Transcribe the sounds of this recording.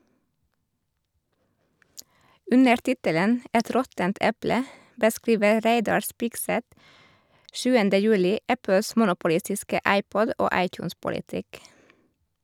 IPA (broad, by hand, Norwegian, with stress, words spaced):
ˈʉnəɾ ˈtɪtələn ə ˈɛt ˈɾɔtənt ˈɛplə bəˈskɾiːʋə ˈɾeɪdɑɾ ˈspɪɡˌsɛt ˈʃʉːəndə ˈjʉːlɪ ˈæpəs ˈmʊnʊpʊˌlɪstɪskə ˈʔɑɪˌpɔd ˈʔoː ˈɑɪcˌjuːnspʊlɪˌtɪk